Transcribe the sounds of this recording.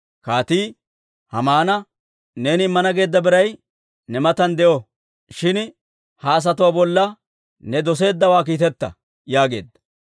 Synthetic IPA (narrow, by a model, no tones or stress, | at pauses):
kaːt̪iː | hɐmaːnɐ | ne̞ːnɪɪmːɐnɐɡe̞ːd̪ːɐbɪɾɐj | nɛmɐt̪ɐnd̪ɛʔɔ | ʃɪn | haːs̬ɐt̪ʊwabɔlːɐ | nɛd̪ɔs̬e̞ːd̪ːɐwaːk̬iːt̪ɛt̪ːɐ̰ | jaːɡe̞̰ːd̪ːɐ̥